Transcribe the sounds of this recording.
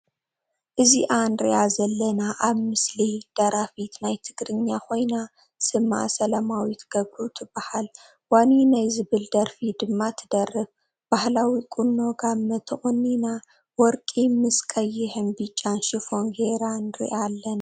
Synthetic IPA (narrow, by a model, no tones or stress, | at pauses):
ʔɨziʔanɾḭʔazɐlːɐnaʔaβmɨslid̪̥ɐɾafit̪najt̪ʰɨɡɾɨɲːakʰo̞jna | sɨma̰sɐlamawit̪ʰɡ̥ɐbɾut̪ʰɨbːahal | waninajzɨβɨld̪ɐɾfid̪ɨmːat̪ʰɨd̪ɐrːɨb | b̥ahlawikʼunːo̞ɡamːɐt̪ʰɨχʼɔnːina | wɔɾkʼimɨskʰɐjːɪħɨnbɨt͡ʃʼːanʃɪfo̞nɡeɾanɨɾḭʔalːɐna